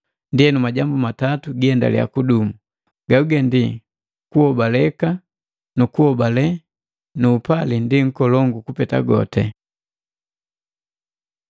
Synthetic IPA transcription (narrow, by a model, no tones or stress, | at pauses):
ndiɛnumaɟambumatatuɡiɛnda̰lḭa̰kudumu | ɡauɡɛndi | kuhɔbalɛka | nukuhɔbalɛ | nuːpalindiŋ̩kɔlɔŋɡukupɛta̰ɡɔ̰tɛ